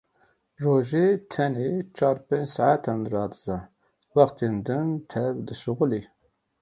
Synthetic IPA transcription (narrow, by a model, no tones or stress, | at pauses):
roːʒet̪ʰɛnet͡ʃʰɑːɾpẽnd͡ʒsaʕat̪ʰanrɑːd̪ɨzɑ | wɑχt̪ʰeːnd̪ɨnt̪ʰɛvd̪ɨʃuɣuli